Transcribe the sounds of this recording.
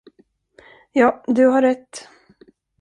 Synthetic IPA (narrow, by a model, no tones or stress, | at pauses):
jɑːd̪ɵɦaɾɛt̪ː